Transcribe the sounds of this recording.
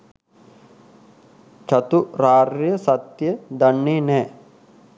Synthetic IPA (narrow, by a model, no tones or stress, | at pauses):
t͡ʃɐt̪uɾaːɾjɐsɐt̪jed̪ɐɳːineː